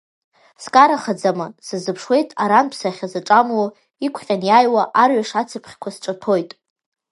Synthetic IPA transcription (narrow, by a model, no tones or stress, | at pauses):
skʼaɾaχad͡zamasɨzɨpʰʂwe̞jtʼaɾanpʰsaχʲazaʈ͡ʂʼamwo | ikʷʰχʲʼanjajwaʔarɥaʂat͡sʰɨpʰχʲkʷʰasʈ͡ʂʼatʰo̞jtʼ